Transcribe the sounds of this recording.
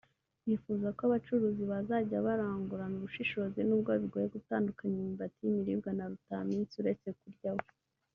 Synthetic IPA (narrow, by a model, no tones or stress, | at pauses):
jifuzakoaβat͡ʃuɾuziβazaɟaβaɾaːŋɡuɾanuβuʃiʃo̞zinuːb̚ɡaβiɡo̞ːjeɡutaːndukaɲimibatijimiɾibɡanaɾutamiːnsuɾe̞t͡se̞kuɾɟawo